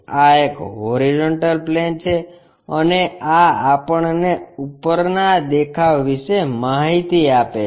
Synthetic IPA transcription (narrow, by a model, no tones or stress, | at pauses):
aekɦoɾid͡ʒoɳʈəlplent͡ʃʰe | əneaapəɳneupəɾnad̪ekʰaʋːiʃemaɦit̪iape